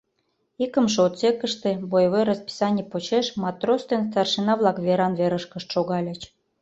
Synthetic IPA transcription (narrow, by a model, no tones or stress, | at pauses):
ikə̆mʃeot̪sekə̆ʃt̪ĕbojβojɾɑspi̥sɑnʲipot͡ɕeʃmɑt̪rost̪enst̪ɑrʃinɑβlˠɑkβeɾɑnveɾəʃkəʃt̪ʃoɣɑlʲə̆t͡ɕ